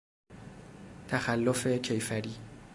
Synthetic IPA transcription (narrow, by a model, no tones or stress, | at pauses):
t̪ʰæxælːofecʰejfæɾiː